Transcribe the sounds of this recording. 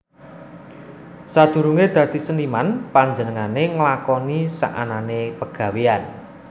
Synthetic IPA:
sad̪̥ṳɾuŋed̪̥ä̤d̪̥i̤sənimanpaɲd͡ʒənəŋaneŋəlakɔnisa̰ʔa̰nanepəɡ̥ä̤wean

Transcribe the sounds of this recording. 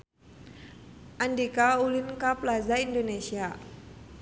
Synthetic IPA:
ʔandikaulinkaplazaindonesia

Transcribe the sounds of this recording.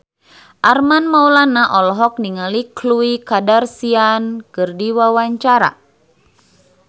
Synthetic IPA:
ʔarmanmawlanaʔɔlɔɦɔk̚niŋalikluikadarsiankɨrdiwawaɲt͡ʃaɾa̰

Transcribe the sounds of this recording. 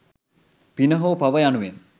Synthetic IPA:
pinəɦoːpaʋəjanuʋen

